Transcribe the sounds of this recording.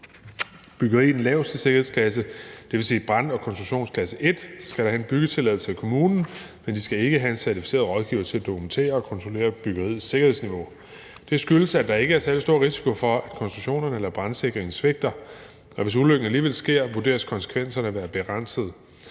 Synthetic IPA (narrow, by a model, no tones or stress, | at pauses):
b̥yɡ̥ɐʁḭːn̩lɛ̰ʊsise̝ɡ̥ɐhe̝̥kʰlæs̬əd̥e̝ʋe̝sḭːb̥ʁɑ̈n̰ɒ̽kʰɒnsd̥ʁu̥ɕo̝̰ːnskʰlæsəʔe̝d̥sɡ̥æɾ̥ɑ̈hæe̝nb̥yɡ̥ət͡sʰe̝læðˠl̩səækʰo̝muːnn̩ | mend̥isɡ̥æe̝ɡ̥əɦæe̝nsæɐt͡sʰi̥fi̥se̝̰ːɐðˠʁɒ̽ðˠɡ̥iʊɐt͡sʰe̝læd̥okʰument͡sʰe̝̰ːɐɒ̽kʰɒ̽nt͡sʰʁole̝̰ːɐb̥yɡ̥ɐʁḭðˠse̝ɡ̥ɐhesniʋo̝ | d̥e̝sɡ̥yləsæd̥ɑ̈e̝ɡ̥əæɐsæɐlisd̥o̝ɐ̰ʁisi̥kʰo̝fɒ̽æ̥kʰɒ̽nsd̥ʁuɕo̝̰ːnɐnəelɐb̥ʁɑ̈nse̝ɡ̥ʁeŋn̩sʋeɡ̥̚d̥ɐ | ɒ̽ʋe̝s̬uløɡ̥n̩æliːʋelsɡ̥e̝ɐ̰ʋuɐd̥e̝̰ːɐskʰɒ̽nsə̥kʰʋen̰sɐnəʋæːɐb̥e̝ʁɑn̰səð̩ˠ